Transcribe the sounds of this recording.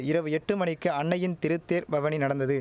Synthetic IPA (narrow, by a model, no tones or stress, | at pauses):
ɪɾɐʋɯɛʈːɯmɐɳɪkːɯɐɳːɐjɪnt̪ɪɾɯt̪ːeːɾbɐʋɐninɐɽɐnd̪ɐðɯ